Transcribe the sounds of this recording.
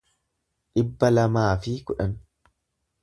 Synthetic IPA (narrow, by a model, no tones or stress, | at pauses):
ᶑɪbːɐlɐmaːfiːkʊᶑɐn